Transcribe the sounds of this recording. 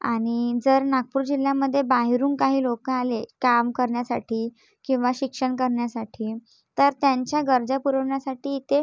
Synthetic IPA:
a̰ɽ̃id͡zəɾnaɡ̚puːɾd͡ʑil̤jaməd̪ʱːjebaɦiɾuːŋkaɦiːlokəalekamkəɾɳjasa̰ʈʰiː | kĩw̃ʋaɕikʂəɳkəɾɳjasaʈʰiː | t̪əɾt̪jaɲt͡ɕjaɡəɾd͡zapuɾəʋɳjasaʈiːt̪e

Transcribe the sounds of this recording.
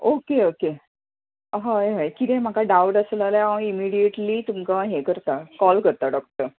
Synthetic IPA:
okeoke | ɦajɦajkit̪ẽm̤akaɖawʈəslalaãimiɽijeʈliːt̪umkaɦekəɾt̪akɔlkəɾt̪aɖɔk̚ʈəɾ

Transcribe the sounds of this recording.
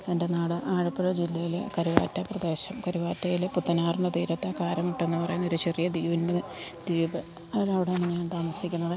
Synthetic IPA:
ende̞naːɽɨʔaːɻɐpːɐɻɐd͡ʑilːɐjilekɐɾiʋa̰ːtːɐprɐd̪e̞ːɕɐmkɐɾiʋaːtːɐjilput̪ːɐnaːrɳɖɐt̪iːɾɐt̪ːɐkaːɾɐmuʈːe̞nːɨpɐrɐjunːɐo̞ɾut͡ɕerijɐd̪iːʋinded̪̥iːbɐ | ɐɾɐʋiɽeɐɳiɲaːnt̪aːmɐsikʲːunːɐðɨ

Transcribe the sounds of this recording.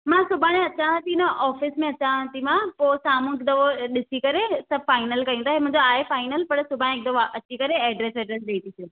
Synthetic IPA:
mãːsʊbʱaːɽ̃ẽɐt͡ɕãt̪ʰinɐʔɔːfɪsmẽɐt͡ɕãt̪imãpoːsaːmũkd̪ɐʋoɗɪsikɐɾesɐbfaːɪnəlkɐjũt̪aːɦemʊ̃ɦɪ̃ɲd͡ʑoaːefaːɪnəlpɐɽsʊbʱaːɽ̃ẽk̚d̪ʋaʔɐt͡ɕikɐɾeɛːɖɾeːsɛːɖɾeːs̬ɗeːit̪ise

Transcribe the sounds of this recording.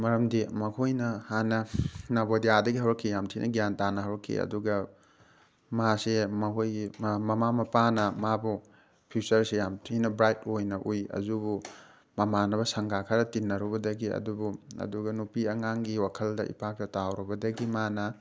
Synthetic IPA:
mɐɾɐmdimɐkʰojnɐhanɐnabodiadɐɡiɦɐwɾɐkʰːijamtʰinɐ̰ɡijantanɐɦɐwɾɐkʰːḭɐ̰duɡɐ | masemɐkʰojɡmɐmamɐpanɐmabu | pʰisɐɾsejamtʰinɐbɾajtojnɐʔujɐ̰zubu | mɐmanɐβɐsɐŋɡakʰɐɾɐtinːɐɾubɐdɐɡiɐ̰dubuɐ̰duɡɐnupiɐŋaŋɡiwakʰɐldɐʔḭpʰak̚tetawɾubɐdɐɡimanɐ

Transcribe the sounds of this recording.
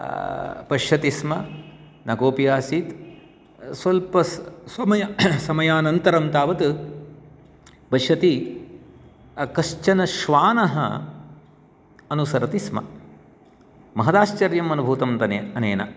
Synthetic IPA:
pɐʃɐt̪ismɐ | nɐkoːpijaːsiːt̪ | sɐlpɐssɐmɐjɐsɐmɐjaːnɐnt̪ɐɾɐmt̪aːʋɐt̪ | pɐʃɐt̪i | ɐkɐʃt͡ʃɐnɐʃʋaːnɐɦɐ̰ | ɐnusɐɾɐt̪ismɐ̰ | mɐɦɐd̪aːʃt͡ʃɐɾjɐmɐnubʱuːt̪ɐmt̪ɐneɐneːnɐ̰

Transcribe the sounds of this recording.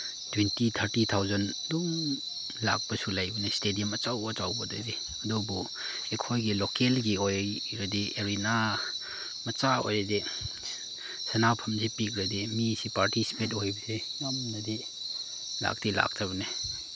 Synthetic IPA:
twintit̪ʰɐɾtit̪ʰawzɐnduŋ | la̰k̚pɐsulajbunestedijɐmɐt͡ʃawbɐt͡ʃawbɐdɐdi | ɐdubu | ekʰojɡilokelɡiojj | ɾɐdieɾina | mɐt͡ʃao̰jɾɐdi | sɐnapʰɐmzipik̚ɾɐdimisipaɾtisi̥pet̬ojbɐsimamnɐdi | la̰k̚tila̰k̚tʰabɐne

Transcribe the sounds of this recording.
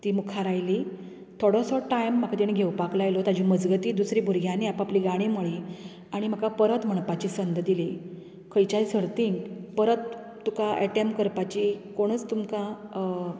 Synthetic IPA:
t̪iːmukʰaɾajli | t̪ʰoɽɔ̃sɔʈajmːakʰat̪iɳ̃iɡʱewpaklajlot̪ad͡ʑiməd͡zɡət̪iːd̪usɾibʱuɾɡʱjaniapapliːɡaɽ̃imoɭi | aɽ̃im̤akapəɾət̪m̤əɳ̃pat͡ɕiːsənd̪d̪ili | kʰəjt͡ɕajsəɽt̪iŋpəɾət̪ː | ukaʔɛʈemkəɾpat͡ɕikoɽ̃ət͡st̪umka

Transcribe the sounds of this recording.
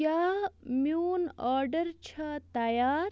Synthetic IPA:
amuːnaːɾɖəɾt͡ɕʰɐt̪ɐjaːɾ

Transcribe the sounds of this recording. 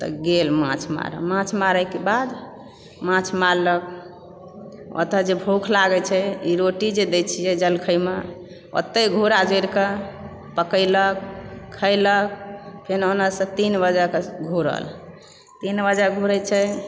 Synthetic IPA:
t̪ɔ̰ɡelmã̰t͡ʃʰma̰ɾə̰mãt͡ʃʰmaɾəjkebad̪ | mãt͡ʃʰmaɾlək̚ | ʔɔ̰t̪əd͡ʒebʱokʰlaɡɛt͡ʃʰɛiɾoʈid͡ʒed̪et͡ʃʰijɛd͡ʒəlkʰəjme | o̰t̪ːəjɡʱuɾad͡ʒeɾkə | pəkəɪlək̚ʰːələk̚pʰenonəsə̃t̪inbəd͡ʒəkeɡʱuɾə̰l | t̪inbəd͡ʒəɡʱuɾət͡ʃʰɛ

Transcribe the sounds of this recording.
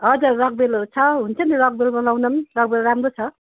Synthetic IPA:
ʌzaɾak̚belsʰaɦunsʰʌniɾak̚belbʌlawnɐmɾak̚belɾamɾosʰʌ

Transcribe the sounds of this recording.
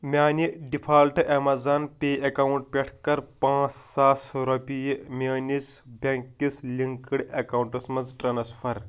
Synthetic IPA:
mʲaːniɖipʰaːlʈʔemɐzaːnpʲeːɐkawuɳʈ̚pʲeʈʰkɐɾpãːt͡ssaːsɾɐpʲijmʲeːnisbʱʲɐŋkːislʲiŋkiɽɐkɐwuɳʈɐsmɐd͡zʈɾɐnɐsfʰɐɾ

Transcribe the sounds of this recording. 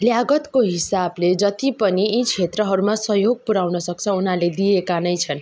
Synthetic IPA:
ljaɡʌt̪koɦisabled͡zʌt̪ipʌniit͡sʰet̪rʌɦʌɾumasʌɦjoɡ̚puɾawnʌsʌk̚t͡sʰʌunɦaled̪iekanʌjt͡sʰʌn

